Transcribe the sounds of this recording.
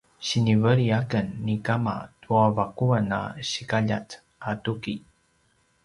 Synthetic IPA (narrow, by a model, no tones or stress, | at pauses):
ɕinivəɾiakənːikama̰tuavakuana̰ɕikaʎa̰t͡s | atuki